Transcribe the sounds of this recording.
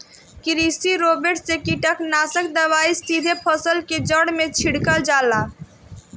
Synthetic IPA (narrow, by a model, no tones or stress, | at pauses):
kɪɾisiɾobeɾʈsekiʈəknaːsəkd̪əʋaːisid̪ʱepʰɔsəlked͡ʒəɽmẽt͡ʃʰiɽkəld͡ʒaːlaː